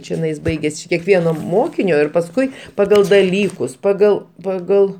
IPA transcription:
t͡ʃʲɪˈnɐɪs ˈbɐɪɡʲɛs t͡ʃʲɪ kʲɛkˈʋʲiɛnoː ˈmoːkʲɪnʲoː ɪr pɐsˈkʊɪ pɐˈɡɐlˠ dɐˈlʲiːkʊs pɐˈɡɐlˠ pɐˈɡɐlˠ

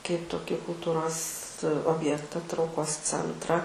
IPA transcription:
kɐɪp toːˈkʲiː kʊlˠˈtuːroːs oːbʲˈjæːktɐ trɐʊˈkoːs ˈt͡sʲɛntrɐ

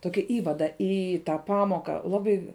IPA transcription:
ˈtoːkʲɪ ˈiːʋɐdɐ ˈiː tɑː ˈpɑːmoːkɑː ˈlˠɑːbɐɪ

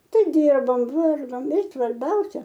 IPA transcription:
ˈtʲɛn ˈdʲɪrboːm ˈʋɐrɡoːm ɪ sʋɐrʲˈbʲɛʊsʲɛ

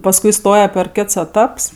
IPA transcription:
pɐsˈkʊɪ ˈstoːjɛ pʲɛr ˈkʲɛts ɛˈtɐps

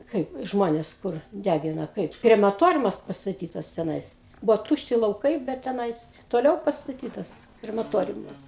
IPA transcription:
ˈkɐɪp ˈʒmoːnʲɛs ˈkʊr ˈdʲæɡʲɪnɐ ˈkɐɪp krʲɛmɐˈtoːrʲʊmɐs pɐstɐˈtʲiːtɐs tʲɛˈnɐɪs ˈbʊʋoː ˈtuːʃʲtʲɪ lˠɐʊˈkɐɪ bʲɛt tʲɛˈnɐɪs toːˈlʲɛʊ pɐstɐˈtʲiːtɐs krʲɛmɐˈtoːrʲʊmɐs

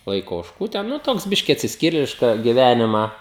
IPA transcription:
ˈlˠɐɪkoː oːʃˈkuː ˈtʲɛn nʊˈtoːks ˈbʲɪʃʲkʲɪ ɐtʲsʲɪsʲˈkʲiːrʲeːlʲɪʃkɐ ɡʲɪˈʋʲænʲɪmɑː

